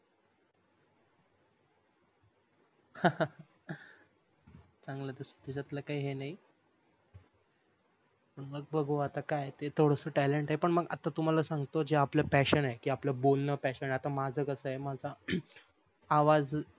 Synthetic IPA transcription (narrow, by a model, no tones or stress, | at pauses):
ha | t͡sãŋɡlət̪əsə̥t̪ːeɕat̪ləːkaiːɦenaɦi | pəɳməɡ̚bəɡʱoat̪akajet̪et̪ʰoɽəsəːʈæleɳʈaɦepəɳməɡa̰t̪at̪um̤alasãŋɡt̪od͡ʑeapləpæɕənaɦekiːapləbolnəpæɕənaat̪amad͡zʱəkəsəɦemad͡zʱa | ʋad͡z